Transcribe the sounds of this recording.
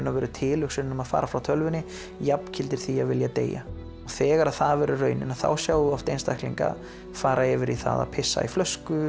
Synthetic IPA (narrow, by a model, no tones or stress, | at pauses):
nːavɛːɾʏt̪ʰɪːlʏksʏnːʏmaðfa̰ːɾafɾawt̪ʰœlvʏnɪ | japn̥cʰɪlt̪ɪɾ̥θiaɣvɪljat̪ḛːja̰ | ɔɣθɛːɣaɾaðθaðvɛɾʏrœːɥnɪ̰naθa̰wsjaːwðʏɔft̪ejnst̪ajhk̪lḭŋka̰ | faːɾaɛvɪɾiθa̰ða̰ðpʰɪsːa̰iflœskʏ